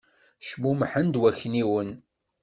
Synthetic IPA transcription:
ʃmumħənd̪wæçniwən

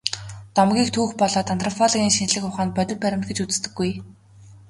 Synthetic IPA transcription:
t̪ɔmɡʲiːk̚t̪ʰuːxpɔɮɔːt̪ant̪ʰrɔpʰɔɮɔɣʲiːŋʃinɮɘ̆xʊχaːnpœt̪ʲɪ̆t̚pæɾʲɪ̆mt̪ɡĕt͡ɕut͡s̆st̪ɘ̆ɡːuj

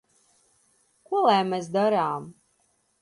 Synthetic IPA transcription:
kuɔlˠajmɛs̬d̪aɾaːm

